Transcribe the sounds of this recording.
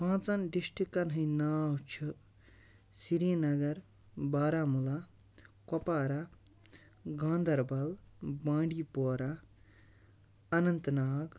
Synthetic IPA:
pʰãːt͡sɐnɖiʃʈikɐnɦɐjnaːwt͡ʃʰu | siɾijnɐɡɐɾ | baːɾaːmula | kɔpaːɾa | ɡãːnd̪ʱɐɾbɐlbãːɳɖiːpoːɾa | ɐnɐnt̪naːɡ

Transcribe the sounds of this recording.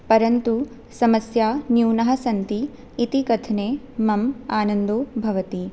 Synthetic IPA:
pɐɾɐnt̪u | sɐmɐsjaːnjuːnɐɦɐsɐnt̪iː | t̪ikɐt̪ʰneː | mɐmaːnɐnd̪oːbʱɐʋɐt̪i

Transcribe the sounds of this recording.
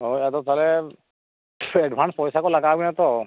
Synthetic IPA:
ɦojɛt̪ɔt̪ʰalɛ | ɛɖbʱanspɔjsakɔlaɡaɡinat̪ɔ

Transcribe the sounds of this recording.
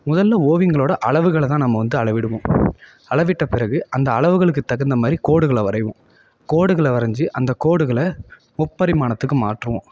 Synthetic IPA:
mʊðɐlːɐoːʋɪŋɡɐɭoːɽɐʔɐɭɐʋɯɣɐɭt̪ãːnɐmːɐʋɐnd̪ɯɐɭɐʋɪɽɯʋõː | ɐɭɐʋɪʈːɐpɪɾɐɣɯʔɐnd̪ɐːɭɐʋɯɣɐɭɯk̬ːɯt̪ːɐɣɐnd̪ɐmaːd̪ɾikoːɽɯɣɐɭɐʋɐɾɐɪʋõː | koːɽɯɣɐɭɐʋɐɾɐɲd͡ʒɯʔɐnd̪ɐkoːɽɯɣɐɭɐ | mʊpːɐɾɪmaːnɐt̪ːɯkːɯmaːʈrɯʋõː

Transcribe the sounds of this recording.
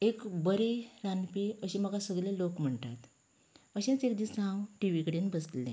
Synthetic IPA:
ekbəɾeɾanpiəɕiməɡasəɡlelokm̤əɳʈ̪at̪ | əɕãt͡sekd̪isãwʈiʋikəɽenbəslḛ̃

